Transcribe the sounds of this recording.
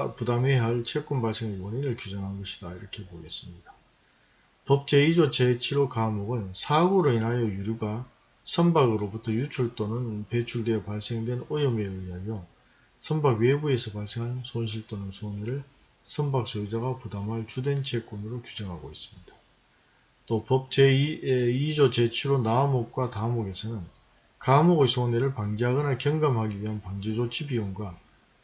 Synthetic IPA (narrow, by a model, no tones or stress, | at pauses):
pudameɦaɭt͡ɕʰek͈unbaɭs͈e̞ŋibʌniɾɯɭkjud͡ʑʌŋɦanɡʌɕʰi̥daiɾʌkʰe̞poɡe̞s͈ɯmɲida | pʌp̚t͡ɕ͈e̞id͡ʑot͡ɕʰet͡ɕʰiɾokamoɡɯnsʰaɡuɾoinɦajʌjuɾjuɡa | sʰʌmbaɡɯɾobutʰʌjut͡ɕʰuɭt͈onɯnpe̞t͡ɕʰuɭdwe̞ʌpaɭs͈e̞ŋdwe̞nojʌme̞ɯiɦajʌ | sʰʌmbaɡwebue̞sʰʌpaɭs͈e̞ŋɦansʰonɕ̬ʰiɭt͈onɯnsʰoneɾɯɭ | sʰʌmbak̚s͈oid͡ʑaɡapudamɦaɭt͡ɕude̞nt͡ɕʰe̞k͈onɯɾokjud͡ʑʌŋɦaɡois͈ɯ̥mɲid̥a | t͈opʌp̚t͡ɕ͈e | id͡ʑot͡ɕe̞t͡ɕʰiɾonamok̚k͈watamoɡe̞sʰʌnɯn | kamoɡsʰoneɾɯɭpaŋd͡ʑeɦaɡʌnakjʌŋɡamɦaɡiɥiɦanpaŋd͡ʑed͡ʑot͡ɕʰibioŋɡwa